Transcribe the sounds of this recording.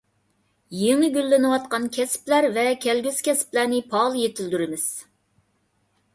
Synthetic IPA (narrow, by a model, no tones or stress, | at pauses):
jeŋɨɡʲylːɪnɨwɑt̪̚qɑnkʲʰɛsɪ̥plæɾvɛkʲʰɛlɡʲyz̥kʲʰɛsɪ̥plæɾnɪpʰɑlˠjet̪ʰɪld̪yɾɪmɪz̥